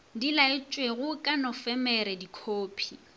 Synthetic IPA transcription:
dilaɪt͡ʃʼweɣʊkʼanɔfɛmɛɾɛdikʰoːpʰi

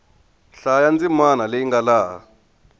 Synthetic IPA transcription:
ɬajand͡zimanaleiŋɡalaːɦa

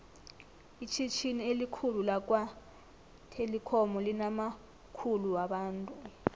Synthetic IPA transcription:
it͡ʃʰit͡ʃʰinielikʰululak̬ʼwa | tʰelikʰɔmɔlinama | kʰuluwaɓaːntʼu

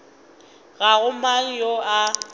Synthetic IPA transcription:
ɣaɣʊmaŋ̩joa

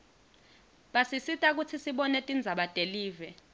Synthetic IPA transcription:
ɓasisitʼak̬ut͡sʰisiɓɔnetʼind͡zʱaɓad̥ʼʱeliːvɛ

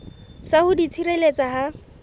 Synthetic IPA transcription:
sahʊdit͡sʰiɾelet͡saɦa

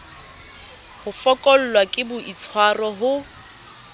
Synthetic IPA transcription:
hʊfɔkʼɔl̩lwakʼɪbʊit͡sʰwarɔɦʊ

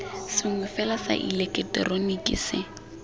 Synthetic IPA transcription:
sɪŋʊfɛlasa̰ʔḭlekʼɛtɛ̰ronikʼɪ̰sɪ

